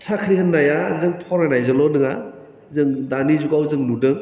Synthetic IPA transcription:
tʰakʰɾihɯnːajazɯŋpʰɔɾenajzalɔnɯŋa | zɯŋdanizuɡawzɯŋnudɯŋ

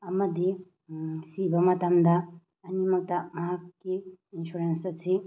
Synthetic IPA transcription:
ɐmɐd̪i | sibɐmɐt̪ɐmd̪ɐː | nimɐk̚tɐmaɦakːiːnsuɾensɐsi

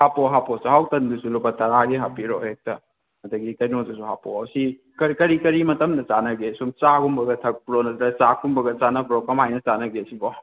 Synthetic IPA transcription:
hapoɦaposihawtɐndusulupɐtɐɾaɡeɦapiɾo̰hek̚tɐ | ɐdɐɡikɐjnotusuɦaposi | kɐɾkɐɾikɐɾimɐtɐmdɐt͡ʃanɐɡesumt͡ʃakumbɐɡɐtʰɐk̚pɾonɐtɾɐt͡ʃakʰumbɐɡɐt͡ʃanɐbɾoɡɐmajnɐt͡ʃanɐɡesibɔ

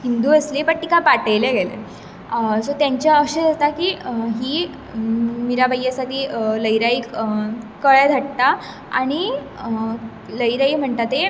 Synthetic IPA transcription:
ɦind̪uːəslipəɳt̪ikapaʈəjleɡɛlḛ | sot̪jãɲt͡ɕaəɕed͡zat̪akiːɦiː | milabəjːasaʈʰiːləjɾaiː | kəɭɛd̪ʱəʈt̪a | a̰ɽ̃i | ləjɾaiːm̤əɳt̪at̪e

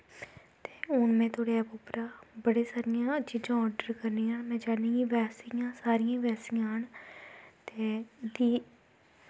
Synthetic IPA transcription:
t̪eːʊnmɛ̃ːt̪ʰoːɽeːɛːpʊpɾaːbəɽeːsaːɾɪjãːt͡ʃiːd͡ʒãːɔːɾɖəɾkəɾniːãːmɛ̃ːd͡ʒaːnĩːɡiːʋɛːsɪjãːsaːɾɪjãːʋɛːsɪjãːɦəɳ | t̪eːd̪iː

